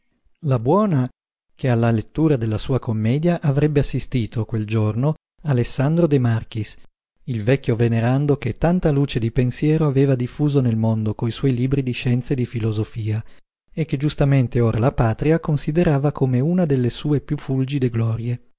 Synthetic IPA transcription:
labwɔːna | kealːalet̪ːuːɾad̪elːasuːakomːɛːd̪jaʔavɾɛbːeasːist̪iːt̪okweld͡ʒorno | alesːand̪ɾod̪emark̟is | ilvɛkʲːjoveneɾand̪oket̪ːant̪aluːt͡ʃed̪ipensjɛːɾoaveːvad̪ifːuːzonelmond̪okoiswɔjliːbɾid̪iʃɛnt̪sed̪ifilozofiːa | ek̟ːed͡ʒust̪ament̪eoːɾʔalapaːt̪ɾiakonsid̪eɾaːvakʰomeunad̪elːesuːepjufːuld͡ʒid̪eɡlɔːɾje

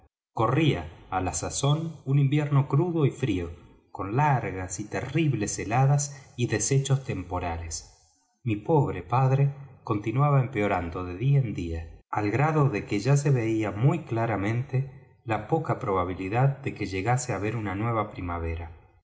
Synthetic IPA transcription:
ko̞riaːlasaso̞nunimbjeɾno̞kɾuðo̞ifɾio | ko̞nlaɾɣasit̪eriβleselaðasiðe̞se̞t͡ʃost̪e̞mpo̞ɾales | mipo̞βɾepaðɾeko̞nt̪inwaβaempeo̞ɾand̪o̞ðeðiaend̪iaalɣɾaðo̞ðekeʒas̬e̞βe̞iamujklaɾamẽ̞nt̪e | lapo̞kapɾo̞β̞aβ̞iliðaðd̪e̞keʒe̞ɣaseaβe̞ɾunanwe̞β̞apɾimaβ̞e̞ɾa

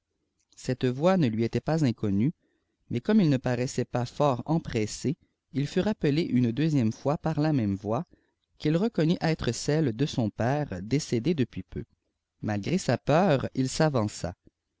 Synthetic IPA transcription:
sɛt̪vwanəlɥiet̪ɛpazɛ̃kɔny | mɛkɔmilnəpaʁɛsɛpafɔːʁɑ̃pχɛse | ilfyʁapəleʔynd̪øzjɛmfwapaʁlamɛmvwa | kilʁəkɔnyʔɛt̪χəsɛld̪əsɔ̃pɛːʁd̪esed̪ed̪əpɥipʰø̰ | malɡʁesapœːʁilsavɑ̃sa̰

